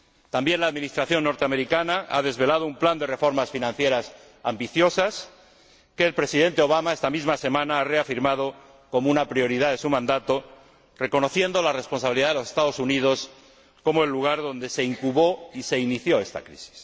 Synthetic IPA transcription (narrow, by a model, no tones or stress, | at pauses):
t̪ambje̞nlaːðmĩnist̪ɾaθjo̞nːo̞ɾt̪eame̞ɾikanaa̰ðe̞zβe̞lað̞oumpland̪e̞re̞fo̞ɾmasfinãnθje̞ɾas | ambiθjo̞sas | keːlpɾe̞sið̞e̞nt̪eo̞β̞amae̞st̪amizmase̞mãnaare̞afiɾmað̞o̞ | ko̞mounapɾio̞ɾið̞aðe̞sumãnd̪at̪o̞ | re̞ko̞no̞θje̞nd̪o̞lare̞spo̞nsaβiliðaðelo̞se̞st̪að̞o̞sunið̞o̞s | ko̞moelːuɣ̞aɾðo̞nd̪e̞se̞iŋkuβo̞ise̞iniθjo̞e̞st̪a̰kɾḭsi̥s